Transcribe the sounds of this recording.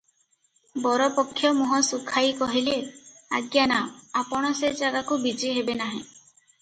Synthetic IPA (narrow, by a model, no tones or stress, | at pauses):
bɔɾɔpɔkʰːjɔmuɦɔ̃sukʰajkɔɦilea̰ɡjanaapɔɽ̃ɔsed͡ʒaɡakubid͡ʒiɦebenaɦĩ